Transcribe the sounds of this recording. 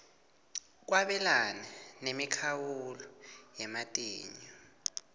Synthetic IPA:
k̬waɓɛlananemikʰawulɔjɛmatʼeːɲɔ

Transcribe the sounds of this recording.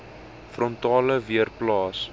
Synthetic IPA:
frɔntɑːləviərplɑːs

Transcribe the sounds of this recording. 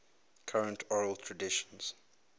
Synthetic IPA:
kʰaɹə̃ntʰɔɹəlˠtʰɹədɪʃə̥̃nz̥

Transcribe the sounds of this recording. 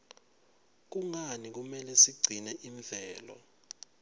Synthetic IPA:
k̬uŋanik̬umɛlɛsiɡ͡ǀʱinɛʔiɱb̪vʱɛːlɔ̰

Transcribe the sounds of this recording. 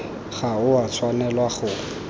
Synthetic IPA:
ɣaʊat͡sʰwanɛlwaχʊ

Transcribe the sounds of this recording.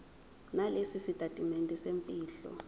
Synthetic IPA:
nalesisitʼatʼimɛntʼɛsempʼiːɬɔ̰

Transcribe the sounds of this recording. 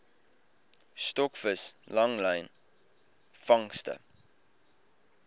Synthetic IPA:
stɔkfəslɐŋləjn | fɐŋstə̰

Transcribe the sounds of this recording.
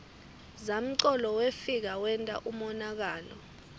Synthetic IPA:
zam̩ǀɔlɔwefik̬awɛntʼa̰ʔumɔnak̬aːlɔ̰

